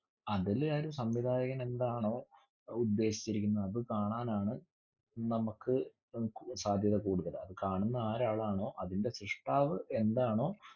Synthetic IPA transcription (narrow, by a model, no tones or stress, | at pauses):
ɐðilaːɾusɐmʋid̪ʱaːjɐɣɐme̞nd̪aːɳo̞ː | ud̪ːe̞ːɕi̥t͡ɕːiɾikʲːunːɐːðɨkaːɳaːnaːɳɨ | nɐmɐkːɨ | saːd̪ʱjɐðɐkuːɽuɣːɐðɨɐðɨkaːɳunːɐaːɾaːɭaːɳo̞ːʔɐðinde̞sɾiʂʈaːʋɨʔe̞nd̪aːɳo̞ː